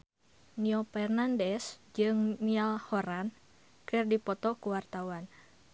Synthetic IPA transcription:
niɔpɛrnandɛsd͡ʒɨŋnialhɔɾan | kɨrdipɔt̪ɔkuwart̪awan

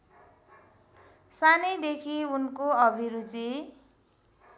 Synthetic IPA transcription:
sanʌjd̪ekʰiunkoʌbʱiɾut͡si

